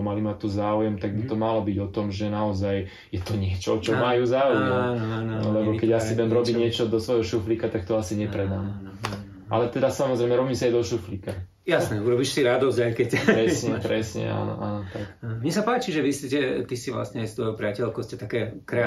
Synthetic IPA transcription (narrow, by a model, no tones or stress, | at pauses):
malimat̪ɔzaːujɛmt̪aɡ̚bit̪ɔmalɔbiɟɔt̪ɔmʒɛnaɔzaj | jɛt̪ɔɲɪɛt͡ʃɔt͡ʃɔmajuːzaːujɛmananlɛbɔkɛɟasid̪ɛmɾɔbiːɲɪɛt͡ʃɔd̪ɔsʋɔjɦɔʃuflikat̪akt̪ɔasiɲɛpɾɛd̪am | ʔa̰lɛt̪ɛd̪asamɔzɾɛjmɛɾɔbimsaajd̪ɔʃuflika | jasnɛuɾɔbiʃsiɾad̪ɔzɟajkɛcɾɛsɲɛpɾɛsɲɛ̰a̰ːnɔ̰ʔa̰ːnɔt̪akamɲɛsapaːt͡ʃiʒɛʋiscɛt̪isiʋla̰sɲɛst̪ʋɔjpɾɪacɛlkɔscɛt̪akɛːkɾɛ